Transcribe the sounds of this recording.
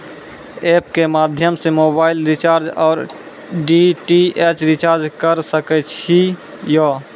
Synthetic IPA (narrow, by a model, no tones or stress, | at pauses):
epkemad̪ʱjəmsemobaɪlɾit͡ʃaɾd͡ʒɔːɾ | ɖiʈiet͡ʃɾit͡ʃaɾd͡ʒkəɾsəkɛt͡ʃʰi | jo